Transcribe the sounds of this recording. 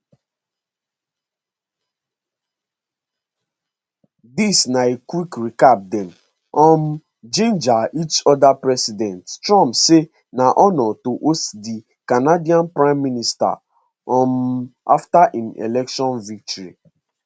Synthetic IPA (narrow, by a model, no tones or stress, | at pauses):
disnaekwikɹikap̚dɛ̃m | ɔ̃m̩ | d͡ʒẽnd͡ʒait͡ʃɔdapɹɛsidɛ̃nttɹɔ̃mpse | naʔɔnɔtoʔosdi | kanadiãnpɹãɪ̃mːinista̰ | ɔ̃ma̰ftaʔĩnḛlɛkʃɔ̃nvik̚tɔɾḭ